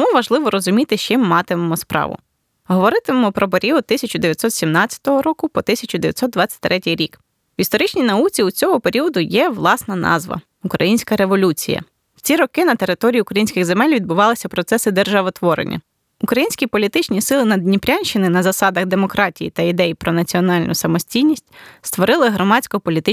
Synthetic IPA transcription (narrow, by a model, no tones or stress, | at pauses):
t̪muʋɐʒlˠɪʋɔɾɔzʊmʲit̪ɪʃt͡ʃɪmːɑt̪ɪmɔmɔspɾɑ̰ʋʊ̰ | ɦɔʋɔɾɪt̪ɪmmɔpɾɔp̬eɾʲiɔd̪̚t̪ɪsʲɐt͡ʃʊd̪eʋʲjɐt̪ʲsɔt̪sʲimnɑt͡sʲjɐ̥t̪ɔɦɔɾɔkʊpɔt̪ɪsʲɐt͡ʃʊd̪eʋʲjɐt̪ʲsɔt̪d̪d̪ʋɑt͡sʲːɐ̥tʲt̪ɾʔɛtʲɪjɾʲik | ʋʲist̪ɔɾɪt͡ʃnʲijnɐut͡sʲiut͡sʲɔɦɔpe̞ɾʲiɔd̪ʊjɛʋlˠɑsnɐnɑ̰zʋɐ̰ | ʊkɾɐ̰jinʲsʲkɐɾe̞ʋɔlʲut͡sʲijɐ̰ | wt͡sʲiɾɔkɪnɐt̪e̞ɾɪt̪ɔɾʲijiukɾɐjinʲsʲkʲɪɣzemɛlʲʋʲid̪̚bʊʋɑlˠɪsʲɐpɾɔt̪sɛsɪd̪erʒɑʋɔt̪ʋɔɾḛnʲːɐ̰ | ʊkɾɐjinʲsʲkʲipɔlʲit̪ɪt͡ʃnʲisɪlˠɪnɐd̪ʲnʲipɾʲanʲʃɪnɪnɐzɐsɑd̪ɐɣd̪e̞mɔkɾɑtʲijit̪ɐid̪ɛjipɾɔnɐt͡sʲiɔnɑlʲnʊsɐmɔsʲtʲijnʲisʲtʲst̪ʋɔɾɪlˠɪɦɾɔmɑt͡sʲkɔpɔlʲit̪ɪ